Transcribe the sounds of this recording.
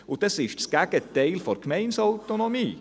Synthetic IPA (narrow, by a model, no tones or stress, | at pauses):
ʊd̥̪ɑsɪʃtsɡ̥æɡ̥ətɛɪlfɔɾkmɛɪnsaʊt̪onomiː